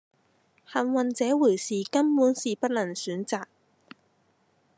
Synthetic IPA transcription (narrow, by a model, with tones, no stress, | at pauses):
hɐ˨nwɐ˨nt͡sɛː˨˥wuː˨˩jsiː˨kɐ˥mpuː˨˥nsiː˨pɐ˥t̚lɐ˨˩ŋsyː˨˥nt͡saː˨k̚